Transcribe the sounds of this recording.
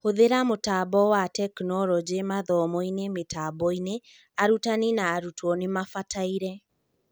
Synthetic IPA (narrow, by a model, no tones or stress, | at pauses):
hoðeɾamotabɔwatɛknɔɾɔd͡ʒemaðɔmɔinemetaːbɔine | aɾutaninaːɾutwɔnemafatʰaiɾɛ